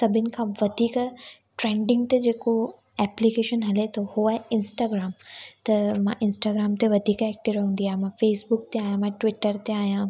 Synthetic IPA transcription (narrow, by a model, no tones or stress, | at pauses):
sɐbʱɪnɪ̆kʰãʋɐd̪ʱiːk | ʈɾẽːɳɖɪ̃ŋɡt̪ed͡ʑeːko | ɛːplikeːʃənɦɐlet̪ohoaːɦeɪnsʈaːɡɾaːmt̪ɐmãʔɪnsʈaːɡɾaːmt̪eʋɐd̪ʱiːkɛːk̚ʈɪʋɾɦũːnd̪ijaːɦemãfeːsbʊk̚t̪eaːjãmãːʈʋɪʈəɾt̪eaːjã